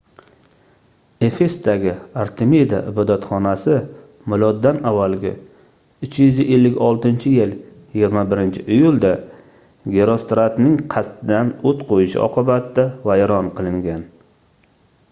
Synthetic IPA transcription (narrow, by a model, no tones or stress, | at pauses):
e̞fest̪aɡʲɪaɾt̪ʰemed̪a̰ʔɪbɒd̪at̪χɒnasɪ | mʊlɒd̪ːanavːalɡʲɪ̰ | ʊt͡ʃjʏzɪʔelːɪkʲɒlˠt̪ɪnt͡ʃʰɪjɪljɪɡʲɪɾmabɪɾɪnt͡ʃʰɪʔɪjʊlˠd̪a | ɡʲe̞ɾost̪ɾat̪nɪŋqʰɑst̪ɪd̪anot̪qʰojɪʃɪ̰ɒ̰qɨbat̪d̪avajɾɒnqɨlˠɪŋɡʲan